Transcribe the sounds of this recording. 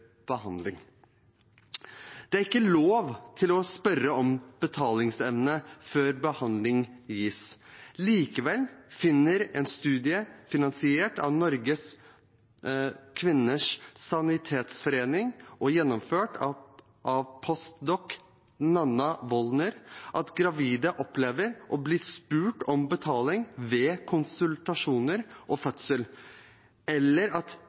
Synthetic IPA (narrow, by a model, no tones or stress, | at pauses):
b̥əhɑnd̪lɪŋ | d̪̥ɛæɾɪkːəloːʋt̪ʰɪlɔspœɾəɔmb̥ət̪ʰɑːlɪŋsɛʋnəføːɾbəhɑnd̪lɪŋjiːsliːkəʋɛlfɪnːəɾɛːnst̪ʉːd̪ɪəfɪnɑnsɪeːʈɑ̰ʋnɔɾɡəs | kʰʋɪnːəʂsɑnɪt̪ʰeːt̪sfɔɾeːnɪŋʔɔjɛnːɔmføːʈ | ʔɑʋpʰɔst̪d̪ɔk | nɑnːɑʋɔlnəɾʔɑt̪ɡɾɑʋiːd̪əʔɔpleːʋəɾʔɔblɪːspʉːʈɔmbət̪ʰɑːlɪŋʋeːkʰʊnsʉlt̪ɑʂuːnəɾʔɔfœt̪səl | ɛlːəɾɑt̪